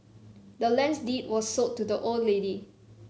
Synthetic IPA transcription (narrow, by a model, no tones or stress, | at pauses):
dəlɛ̃nsdit̚wɔssotːudəʔoldledi